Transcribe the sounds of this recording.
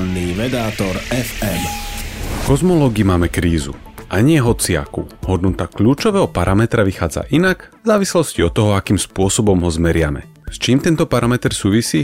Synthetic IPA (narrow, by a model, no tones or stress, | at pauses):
nniːʋɛd̪aːt̪ɔɾɛfɛm | fkɔzmɔlɔːɡimaːmɛkɾiːzṵ | ʔaɲɪɛɦɔt͡sia̰kuhɔd̪nut̪akʎuːt͡ʃɔʋɛːɦɔpaɾʔamɛt̪ɾaʋixaːd͡za̰ʔinaɡvzaːʋislɔsciɔt̪ːɔɦɔakiːmspʊɔsɔbɔmɦɔzmɛɾɪamɛ̰ | st͡ʃiːmt̪ɛnt̪ɔpaɾamɛt̪ɾsuːʋisiː